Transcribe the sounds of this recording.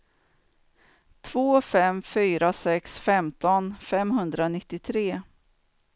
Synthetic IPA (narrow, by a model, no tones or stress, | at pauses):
t̪ʰv̥oːfɛmfyːɾasɛksfɛmt̪ɔnfɛmɦɵnd̪ɾanɪt̪ːɪt̪ʰɾeː